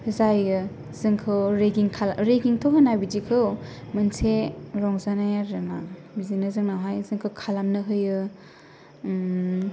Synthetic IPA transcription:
zajɯ | zɯŋkʰɯwɾeɡiŋkʰaɾeɡiŋtʰoɦɯnabid͡ʒikʰɯw | mɯnsʰeɾɔŋzanajaɾɯna | bizinɯzɯŋnaɦajzɯŋkʰɯwkʰalamnɯɦɯjɯ

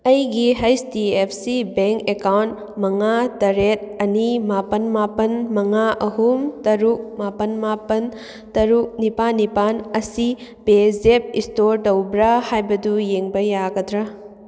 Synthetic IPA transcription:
ɐjɡiɦɐjstiepʰsibeŋkekawnt | mɐŋatɐɾet̚ɐnimapɐnmapɐnmɐŋaʔɐhumtɐɾuk̚mapɐnmapɐn | tɐɾuk̚nipanːipanɐsipezep̚istoɾtɐwbɾɐhajbɐdujeŋbɐjaɡɐdɾɐ

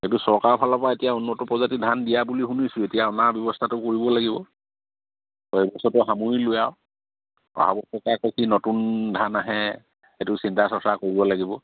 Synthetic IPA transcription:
xetusɔɹkaɹpʰalɔpaetijaunːɔtɔpɹɔzatidʱandijabulixunisʊetijaɔnabjɔbɔstʰatʊkoɹibɔlaɡibɔ | ɔɛbɔsɔtɔɦamuɹilʊjaʊ | ɔ̰ɦa̰bɔsɔkakokinotundʱanaɦɛ | etʊsintasɔsakoɹibɔlaɡibɔ

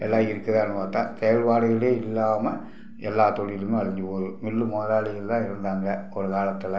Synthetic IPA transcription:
ʔɛlːaːɪɾɯkːɐðaːnːɯpaːɾt̪ã̰ːt̪ɛjɐlpaːɽɯɣɐɭeːɪlːaːmɐ | ɛlːaːt̪ɔɽɪjlɯmẽɐɻɪɲd͡ʒɯpoːðɯmɪlːɯmoːɾaːɭɪjɐlt̪ãːɪɾɯnd̪aːŋɡɐɔɾɯkaːlɐt̪ːɪlɐ

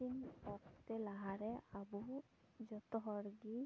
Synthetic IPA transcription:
inɔktɛlaɦaɹɛabu | zɔt̪ɔɦɔɹɡi

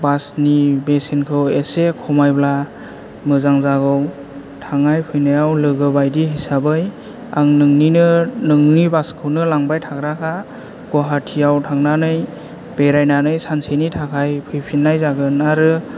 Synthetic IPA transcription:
basnibesenkʰɯwesekʰɔmajbla | mɯzaŋzaɡɯw | tʰaŋajpʰɯjnajawlɯɡɯbajdiɦisabɯj | aŋnɯŋninɯnɯŋnibaskʰɯwnɯlaŋbajtʰaɡɾakʰa | ɡ̥ɔɦatʰijawtʰaŋnanɯj | beɾajnanɯjsansʰenitʰakʰajpʰɯjpʰinːajzaɡɯnaɾɯ

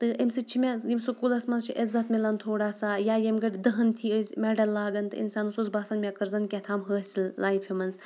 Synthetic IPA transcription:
t̪ɨəmsɨt͡ʃʰimʲɛjimsukulɐsmɐnzt͡ʃʰiʔɪzɐt̪milɐnt̪ʰoːɽaːsajaːjemɡɐʈʲd̪ɐɦɐnt̪ʰiəzʲmʲɛɖɐlːaːɡɐnt̪ɨ̰ḭnsaːnusuzbaːsɐnmʲakɐɾzɐnkʲɛt̪ʰaːmɦəːsʲillaːjfʰimɐnz

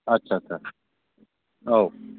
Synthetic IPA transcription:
ɐtːɕʰaːt͡ʃʰa | o

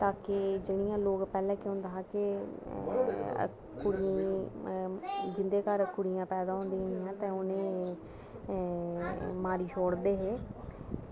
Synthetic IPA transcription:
t̪aːkɪd͡ʒɪɽ̃ijãːloːkpɛːlɛ̃ːkʊ̃nd̪aːɦãːkɪ | kʊɽɪã | d͡ʒɪnd̪eːkəɾkʊɽɪjãːpɛːd̪aːɦõːnd̪iãɦãːt̪ẽːʊnẽː | maːɾiːʃʰoːɽd̪eːɦeː

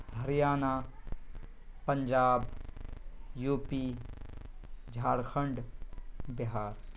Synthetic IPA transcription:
ɦɐɾjaːnaː | pɐɲd͡ʒaːb | juːpi | d͡ʒʱaːɽkʰəɳɖ | bɪɦaːɾ

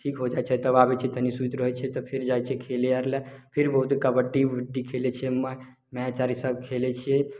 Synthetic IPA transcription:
ʈʰikɦod͡ʒajt͡ʃʰɛt̪əβabɛt͡ʃʰɛt̪əɦnisut̪ɾəɦɛt͡ʃʰɛt̪ɔpʰiɾd͡ʒajt͡ʃʰɛkʰeliaɾlɛpʰiɾbəɦut̪kəbəɖibʱiɖːikʰelɛt͡ʃʰɛm | mɛat͡ʃaɾisəbkʰelɛt͡ʃʰiɛ

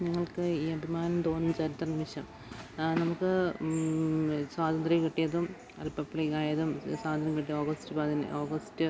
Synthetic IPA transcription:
niŋːɐɭkɨiːɐbʱimaːnɐmt̪o̞ːnːumt͡ɕɐɾit̪ːɐnimiɕɐm | nɐmukːɨ | swaːd̪ɐnd̪rikɐʈːijɐðum | ɐ̰lpːɐpːɭɐkaːjɐðumswaːðɐnd̪rikɐʈːioːɡɐstɨpɐðinɨ̰ʔoːɡɐstɨ

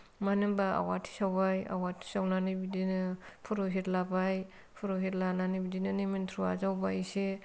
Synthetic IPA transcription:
manɯbaa̰watʰi̥sawbaja̰watʰi̥sawnanibidinɯpʰuɾoɦetlabaj | pʰuɾoɦetlananibidinɯnementʰɾua̰zawbajse

